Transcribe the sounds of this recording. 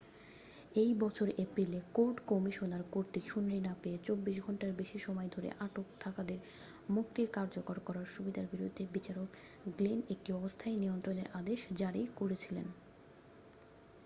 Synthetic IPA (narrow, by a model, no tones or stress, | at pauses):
ejbɔt͡ɕʰoɾʔepɾilekoɾʈkɔmiʃonaɾkoɾt̪iʃunːinapeet͡ɕobːiʃ̬ɡʱɔɳʈaɾbeʃiʃɔmɔed̪ʱoɾḛʔaʈokt̪ʰakad̪eɾmukt̪iɾkaɾd͡ʑokoɾkɔɾaɾʃubid̪ʱaɾbiɾud̪ʱːebit͡ɕaɾokɡlinek̚ʈiɔbost̪ʰaenijont̪ɾoneɾʔad̪eʃd͡ʑaɾijkoɾet͡ɕʰilḛn